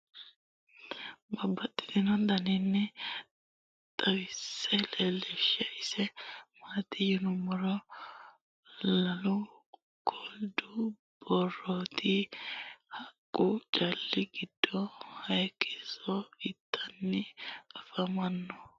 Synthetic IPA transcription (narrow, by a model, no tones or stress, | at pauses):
bɐbːɐt̪ʼːɪ̥d̪ɪnɔd̪ɐnɪnːɛ | t̪ʼɐwɪsːɛlelɛʃɛɪsɛmaːt̪ʼɪjʊnʊmɐɾɔ | lɐlʊ | kʰʼɔld̪ʊ | bɔrot̪ʰɪ | hɐkʼːʊt͡ʃʼɐlːɪɡɪd̪̥ːɔhɐjkʰɛsɔɪt̪ʰːɐnːɪɐfɐmɐnːɔ